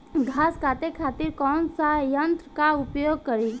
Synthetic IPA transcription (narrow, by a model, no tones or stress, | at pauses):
ɡʱaːskʰaːt̪ekʰat̪iɾkɔːnsajənt̪ɾəkaʊpjoɡ̚kəɾi